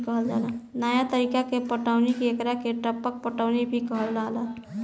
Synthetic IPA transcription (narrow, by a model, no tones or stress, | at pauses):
kəɦəld͡ʒa̰lanajat̪əɾikakepəʈaʊnikeekɾakeʈəpək̚pəʈaʊnibʱikəɦəlːaɦla